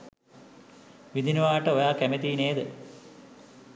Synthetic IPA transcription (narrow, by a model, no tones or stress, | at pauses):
ʋid̪inuʋaːʈəojaːkæmet̪iːneːd̪ə